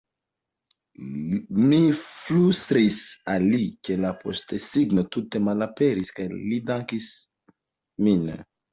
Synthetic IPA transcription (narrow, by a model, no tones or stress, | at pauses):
miflust̪ɾisalikelapʰo̰st̪esiɡnot̪ut̪emalapeɾiskajlid̪ãŋkis | min